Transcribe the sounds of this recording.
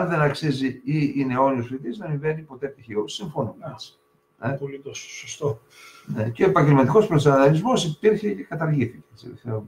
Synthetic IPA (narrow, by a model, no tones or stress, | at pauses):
ɐnðe̞nɐksiziiine̞o̞niosfit̪izðɐmiɱve̞nipo̞t̪et̪içiosiɱfonums | epolit̪ossost̪o | neceoepɐɲɟelmɐt̪iko̞spɾossɐnɐðɐlizmo̞sipiɾçecekɐt̪ɐɾʝiθiceet͡sḭðefθeum